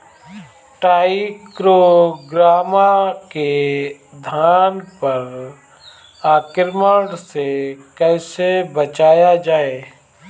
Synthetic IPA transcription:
ʈaːɪikɾoɡɾaːmake | d̪ʱaːnpɐɾ | aːkɪɾməɽsekɛːsebət͡ʃaːjad͡ʒaːeː

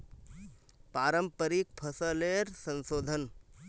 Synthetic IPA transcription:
paːɾəmpəɾik̚pʰəsəleɾsə̃nsoːd̪ʱən

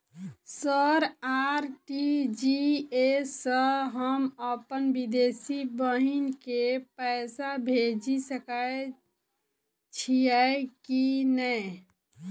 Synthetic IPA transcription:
səɾaɾʈid͡ʒiesəɦəməpənbid̪esibəɦinkepəɛːsabʱed͡ʒisəkae | t͡ʃʰijɛkinəj

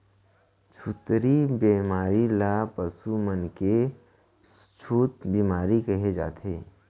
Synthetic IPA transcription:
t͡ʃʰut̪ɾibeːmaːɾilapəsumənke | s | t͡ʃʰuːt̪biːmaːɾikəɦed͡ʒa̰ːt̪eː

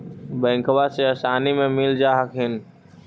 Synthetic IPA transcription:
bə̃ːŋkʰʋaseəsaːnimẽmɪld͡ʒaːɦəkʰɦɪn

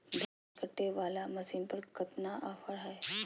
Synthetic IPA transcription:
dʱa | kəʈːeʋalaməsiːnpəɳkət̪naʔafəɭɦaj

